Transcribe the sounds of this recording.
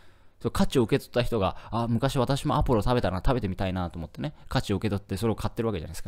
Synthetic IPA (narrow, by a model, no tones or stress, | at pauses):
sokʰat͡ɕio̞ɯ̟ke̞t̪o̞̥t̪ːaçi̥t̪o̞ɡa̰amɯ̟kaɕiβ̞at̪aɕimo̞apːɯ̟ɾot̪abe̞t̪aɾaat̪abe̞t̪e̞mʲit̪ainat̪oːmo̞t̪ːe̞ne̞kat͡ɕio̞ɯ̟ke̞t̪ot̪ːe̞so̞ɾe̞o̞kʰat̪ːe̞ɾɯβakea̰naska